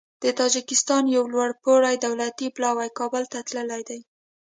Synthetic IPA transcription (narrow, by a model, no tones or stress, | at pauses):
d̪̥ət̪ɑd͡ʒɪkɪst̪ɑnjawlwaɽpoɽajd̪awlat̪iplɑwajkɑbəlt̪at̪ləlajd̪aj